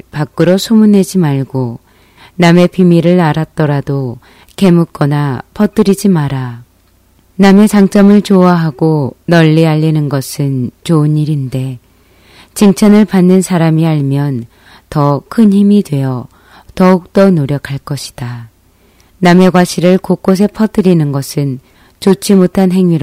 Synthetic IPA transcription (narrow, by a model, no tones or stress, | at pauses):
pak͈ɯɾosʰomune̞d͡ʑimaɭɡo | name̞pimiɾɯɭaɾat̚t͈ʌɾado | ke̞muk̚k͈ʌnapʰʌt͈ɯɾid͡ʑimaɾa | name̞t͡ɕaŋt͡ɕ͈ʌmɯɭt͡ɕoaɦaɡonʌʎːiaʎːinɯnɡʌsʰɯnt͡ɕoɯniɾinde̞ | t͡ɕiŋt͡ɕʰanɯɭpanːɯnsʰaɾamiaɭmjʌn | tʌkʰɯnçimidwe̞jʌ | tʌuk̚t͈ʌnoɾjʌkʰaɭk͈ʌɕʰi̥d̥a | name̞ɡwaɕʰiɾɯɭkok͈os̬ʰe̞pʰʌt͈ɯɾinɯnɡʌsʰɯn | t͡ɕot͡ɕ͈ʰimotʰanɦe̞ŋɥiɾ